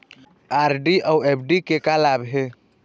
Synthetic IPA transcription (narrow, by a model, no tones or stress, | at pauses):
aɾɖiʔawepʰɖikekalabɦe